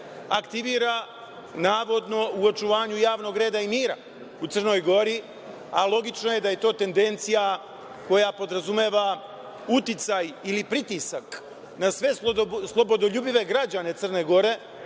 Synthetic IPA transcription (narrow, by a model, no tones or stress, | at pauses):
akt̪iʋiːɾa | naːʋo̞d̪no̞uot͡ʃuʋaːɲujaːʋno̞ɡɾe̞ːd̪aimiːɾa̰ | ut̪sɨr̩no̞jɡo̞ɾi | alˠo̞ɡit͡ʃno̞je̞d̪aje̞t̪o̞ːt̪e̞nd̪e̞nt̪sija | ko̞japo̞d̪ɾazume̞ːʋa | ut̪it̪sajilipɾit̪isak | nasʋe̞slˠo̞bo̞d̪oʎuːbiʋe̞ɡɾad͡ʑane̞t̪sər̩ne̞ɡo̞ɾe̞